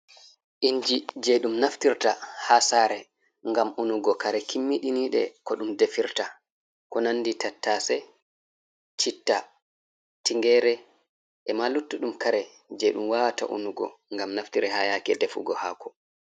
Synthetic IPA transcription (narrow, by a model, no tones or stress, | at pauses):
ʔiɲd͡ʒid͡ʒɛɗumnaftiɾtahasaːɾɛ | ŋɡamunuɡɔkaɾɛkʰimːiɗiniːɗɛ̰kɔɗumdefiɾta | kɔnanːditatːasɛ | t͡ʃitːa | tiŋɡɛɾɛ | ʔɛmalutːuɗumkaɾɛ | d͡ʒɛɗumwawata̰ʔṵnuɡɔ̰ŋɡamnaftiɾɛhajakɛdefṵɡɔha̰ːkɔ̥